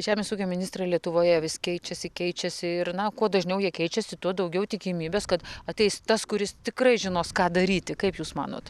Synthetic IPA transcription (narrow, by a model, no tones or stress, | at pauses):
ʒʲæːmʲeːsuːkʲoːmʲɪnʲɪst̪rɐɪlʲiɛt̪ʊʋoːjɛʋʲɪskʲɛɪt͡ʃʲɛsʲɪkʲɛɪt͡ʃʲɛsʲɪɪrnɐkuɔd̪ɐʒʲnʲɛʊjiɛkʲɛɪt͡ʃʲɛsʲɪt̪uɔd̪ɐʊɡʲɛʊt̪ʲɪkʲiːmʲiːbʲeːskɐt̪ɐtʲɛɪst̪ɐskʊɾʲɪst̪ʲɪkrɐɪʒʲɪnoːskɑːd̪ɐɾʲiːt̪ʲɪkɐɪpjuːsmɑ̰ːno̰ːt̪